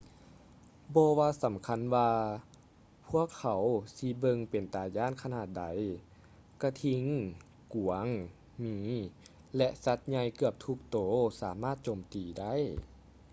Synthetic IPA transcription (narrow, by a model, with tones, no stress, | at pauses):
bɔː˧waː˧sa˨˩˦mkʰa˧˥nwaː˧ | pʰu˧˥˩ɐəkʰːa˨˦wsi˧bɤ˧ŋpe˨˩nt̪aː˨˩jaː˧˥˨nkʰa˧naː˧˩t̪̚da˨˦j | ka˧˩t̪ʰi˧ŋ | ku˨˩˦əŋ | miː˧˦ | lɛ˧ʔsa˧˥t̪̚ɲa˧jkɯ˧˩əp̚t̪ʰu˧˦k̚t̪oː˨˦saː˩˦maː˧˥˩t̪̚t͡ɕoː˨˩mt̪iː˨˩da˥˩˨j